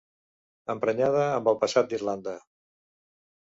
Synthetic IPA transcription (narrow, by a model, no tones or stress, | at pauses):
əmpɾəɲað̞əːmbəlˠpəsat̪̚d̪irland̪ə